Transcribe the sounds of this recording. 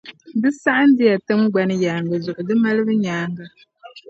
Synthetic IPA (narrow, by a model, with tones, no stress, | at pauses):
dɨ˦sa˦ʔa˦n˦dɪ˦ja˨tɨ˦mɡ͡ba˦nɨ˦jaː˨ŋɡa˨zʊ˨ʔʊ˨dɨ˦ma˦lɨ˦bɨ˦ɲaː˦ŋɡa˦